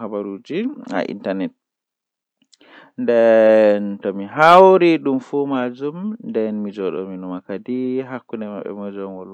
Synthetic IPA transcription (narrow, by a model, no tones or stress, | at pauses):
habaɾud͡ʒia̰ʔḭntanɛt̚ | ndɛntɔmiɦawɾiɗumfumad͡ʒumndɛnmid͡ʒɔɗɔ̰minumakadiɦakːundɛmaɓɛ̰mɔd͡ʒɔmɔl